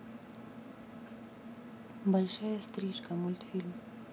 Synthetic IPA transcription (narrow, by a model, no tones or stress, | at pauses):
bɐlʲʂajɐst̪ɾʲiʃkɐmʊlʲt̪fʲilʲm